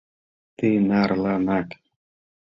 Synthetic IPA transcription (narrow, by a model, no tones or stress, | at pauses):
t̪inaɾlanak